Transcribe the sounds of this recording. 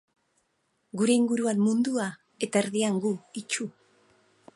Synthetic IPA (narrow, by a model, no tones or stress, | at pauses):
ɡuɾe̞iŋɡuɾuanmund̪ua | e̞t̪ae̞ɾðiaŋɡuit͡ʃu